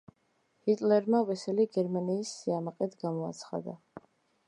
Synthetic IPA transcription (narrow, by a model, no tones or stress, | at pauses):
hit̪ʼlɛɾmavɛsɛliɡɛɾmaniːsːiamaqʼɛt̪ɡamɔa̰t̪sʰχa̰d̪a